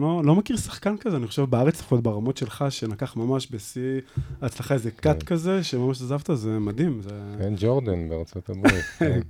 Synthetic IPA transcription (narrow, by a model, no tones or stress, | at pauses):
lolo̞mekiʁsḁχkankazeaniχo̞ʃevbeaʁet͡safot̪baʁamo̞tʃe̞lχaʃe̞nakaχmamaʃbesiat͡slaχaezekat̪kaze̞ʃemamaʃazavt̪azemad̪imzekend͡ʒoʁd̪anbeʁt͡sot̪abʁit̪